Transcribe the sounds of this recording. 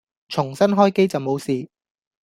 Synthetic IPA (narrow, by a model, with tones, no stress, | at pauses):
t͡ʃʰʊ˨˩ŋsɐ˥nɦɔː˥jke˥jt͡sɐ˨wmo˨˧wsiː˨